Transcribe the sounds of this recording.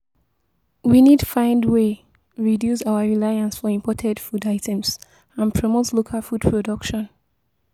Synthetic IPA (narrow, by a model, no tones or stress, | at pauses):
winid̚tu̥fãɪ̃ndwe | ɹidjusaʊəɹilaɪãnsfɔĩmpʰɔtʰɛdfudaɪtʰɛ̃ms | ãnpʰɹɔmotlokʰalfud̚pʰɹɔdʌkʃɔ̃n